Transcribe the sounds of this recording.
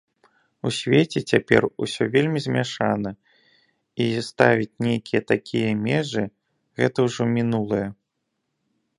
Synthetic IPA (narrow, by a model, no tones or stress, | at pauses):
usʲvʲet͡sʲɛt͡sʲapʲɛ̰rusʲɔvʲelʲmʲizʲmʲaʂanɐ | ist̪avʲit͡sʲnʲejkʲijɐt̪akʲʰijɐmʲɛʐɨ | ɣɛt̪ɐwʐɔmʲinulˠɐjɐ